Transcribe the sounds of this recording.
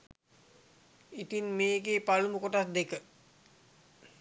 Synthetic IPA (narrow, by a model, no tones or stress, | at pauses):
it̪inmeːɡeːpaluməkoʈasd̪ekə